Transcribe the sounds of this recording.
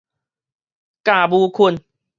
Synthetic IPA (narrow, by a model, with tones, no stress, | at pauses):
kaː˨˩buː˧kʰu˧n